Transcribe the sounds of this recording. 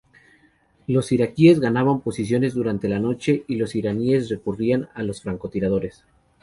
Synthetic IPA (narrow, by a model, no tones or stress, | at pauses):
lo̞siɾakie̞zɣanaβampo̞sisjo̞ne̞zðuɾant̪e̞lano̞t͡ʃe̞ʔilo̞siɾanie̞s̬re̞kurianalo̞sfɾaŋko̞t̪iɾað̞o̞ɾe̞s